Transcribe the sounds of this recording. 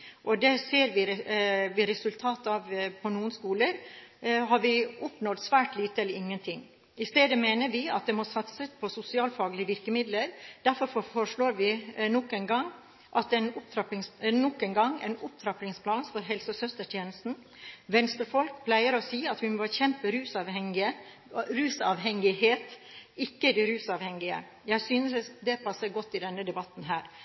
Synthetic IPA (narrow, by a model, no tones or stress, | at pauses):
ʔɔd̪ɛseːɾʋɪʋɪɾɛsʉlt̪ʰɑːt̪ɑʋpʰɔnuːənskuːləɾɦɑɾʋɪʊpnɔlt̪sʋæːʈliːt̪əɛlːəɾɪŋːənt̪ʰɪŋː | ɪst̪eːd̪əmeːnəɾʋɪɑt̪̚d̪ɛmɔsɑt̪səspʰɔsʊsɪɑːlfɑːɡəlɪəʋɪɾkəmɪd̪ləɾd̪̥æɾfɔɾfɔfɔʂɭoːɾʋɪnɔkːɛnɡɑŋ | ʔɑt̪ɛɪnʊpt̪ʰɾɑpɪŋsnɔkːənɡɑŋːɛ̰ɪnʊp̚t̪ʰɾɑplɪŋspʰlɑːnfɔɾɦɛlsəsœst̪əʈʰjeːnəst̪n̩ | ʋɛnst̪ɾəfɔlkpʰlæɪəɾɔsiːɑt̪ʋɪmoːçɛmpəɾʉːsɑɛɪ | ɾʉːsɑ̰ʋɦɛŋɪheːt̪ɪkːəd̪ɛɾʉːsɑʋhɛŋɪə̰ | jæɪsyːnəsd̪ɛpʰɑsːəɾɡɔt̪ːɪd̪ɛnːəd̪ɛbɑt̪ːn̩ɦæːɾ